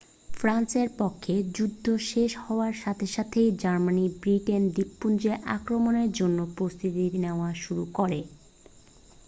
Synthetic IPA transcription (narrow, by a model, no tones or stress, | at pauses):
fɾanseɾpokʰːed͡ʑud̪ʱːoʃeʃhɔoaɾʃat̪ʰeʃat̪ʰejd͡ʑaɾmanibɾiʈend̪ipːund͡ʑeʔa̰kɾomoneɾd͡ʑonːopɾost̪ʰit̪iɾneoaʃuɾukoɾe